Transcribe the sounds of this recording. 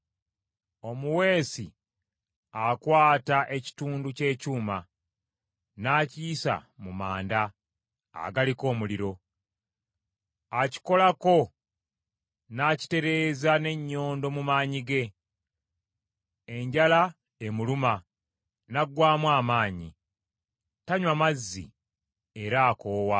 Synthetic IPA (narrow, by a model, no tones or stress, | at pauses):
o̞muwe̞ːsi | akwaːtaʔe̞ci̥tuːnduce̞ːcuːma | naːciːsa̰mumaːnda̰ː | ɡaliko̞ːmuliɾo̞ | aci̥ko̞lako̞ | naci̥te̞ɾe̞ːzane̞ɲːo̞ːndo̞mumaːɲiɡe̞ | e̞ɲɟala | e̞muluma | naɡwaːmwaːmaːɲi | taɲwamazːḭ | eɾaːko̞ːwa